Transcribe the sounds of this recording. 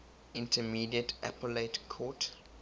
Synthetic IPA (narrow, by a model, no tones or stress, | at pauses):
ĩntʰəmiːdiətʰʔa̰pəletkʰɔt